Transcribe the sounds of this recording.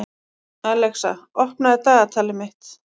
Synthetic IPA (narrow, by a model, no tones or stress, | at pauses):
aːlɛksa̰ɔhpnaðɪt̪aːɣat̪ʰaːlɪmɪht̪